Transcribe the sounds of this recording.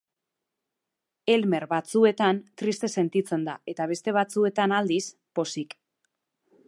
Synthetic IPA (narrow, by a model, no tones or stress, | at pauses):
e̞lme̞ɾβat͡sue̞t̪ant̪ɾist̪e̞se̞nt̪it͡se̞nd̪a̰e̞t̪aβ̞e̞st̪e̞β̞at͡sue̞t̪anald̪is | po̞sik